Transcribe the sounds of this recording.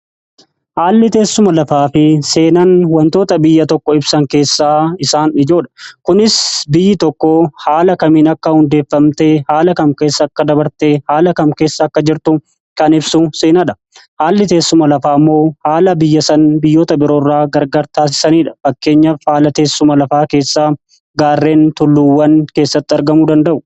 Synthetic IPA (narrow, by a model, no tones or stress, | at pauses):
haːlːɪt̪e̞ːsːʊmɐlɐfaːfɪse̞ːnɐnwɐnt̪o̞ːt̪ɐbɪjːɐt̪ɔkːɔɪbsɐŋke̞ːsːaːɪsaːnɪd͡ʒo̞ːᶑɐ̥kʊnɪsbɪjːɪt̪ɔkːɔhaːlɐkɐmiːnɐkːɐhʊnd̪eːfːɐmt̪eːhaːlɐkɐmke̞ːsːɐːkːɐd̪ɐbɐɾt̪eːhaːlɐkɐmke̞ːsːɐːkːɐd͡ʒɪɾt̪ʊ | kɐnɪbsuseːnɐᶑɐ | haːlːɪt̪e̞ːsːʊmɐlɐfaːɐmːo̞ːhaːlɐbɪjːɐsɐnbɪjːo̞ːt̪ɐbɪɾo̞ːrːaːɡɐɾɡɐɾt̪aːs̬ɪ̥sɐniːᶑɐ̥fɐkːe̞ːɲːɐfhaːlɐt̪e̞ːsːʊmɐlɐfaːke̞ːsːaː | ɡaːrːe̞ːnt̪ʊlːuːwːɐnke̞ːsːɐt̪ːɪɐɾɡɐmuːd̪ɐnd̪ɐʔʊ̥